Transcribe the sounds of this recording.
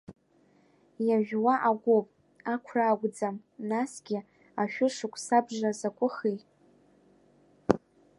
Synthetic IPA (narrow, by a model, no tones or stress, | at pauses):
jaʒᶣwaʔaɡʷopʼ | akʷʰraːɡʷd͡zam | nasɡʲɪ | aʃᶣʊʂɨkʷʼsabʐazakʷʼʊχi